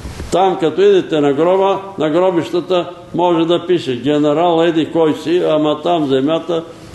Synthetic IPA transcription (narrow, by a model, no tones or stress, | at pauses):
t̪amkɐt̪ɔid̪ɛt̪ɛnɐɡɾɔbɐnɐɡɾɔbiʃt̪ɐt̪ə | mɔʒɛd̪ɐpiʃɛɡʲɛnɛɾalˠɛd̪ikɔjsiamɐt̪amzɛmjat̪ə